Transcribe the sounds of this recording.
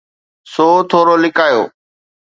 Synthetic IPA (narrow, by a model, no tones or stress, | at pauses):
soːt̪ʰoːɾoːlɪkaːjo̰ː